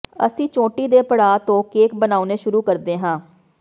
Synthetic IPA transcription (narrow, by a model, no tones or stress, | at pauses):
ə̰sĩːt͡ʃõːʈiːd̪eːpəɽaːt̪õːkeːkbənaːuneːʃʊɾuːkəɾd̪eːɦãː